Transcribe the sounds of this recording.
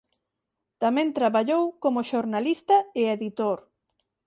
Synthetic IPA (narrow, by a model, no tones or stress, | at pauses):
t̪amẽnt̪ɾaβaʎowkomʊʃoɾnalist̪ɐɪeðit̪oɾ